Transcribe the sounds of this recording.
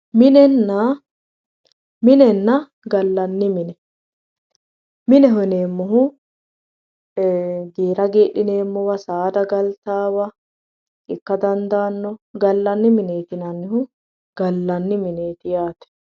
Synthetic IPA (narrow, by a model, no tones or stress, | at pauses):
mɪnɛnːɐ | mɪnɛnːɐ | ɡɐlːɐnːɪmɪnɛ | mɪnɛɦɔneːmːɔɦʊ | ɡeːɾɐɡeːɗɪneːmːɔwɐsaːd̪ɐɡɐlt̪aːwɐ | ʔɪkːɐd̪ɐnd̪aːnːɔɡɐlːɐnːɪmɪneːt̪ɪnɐnːɪhʊ | ɡ̥ɐlːɐnːɪmɪneːt̪ɪjaːt̪ɛ̥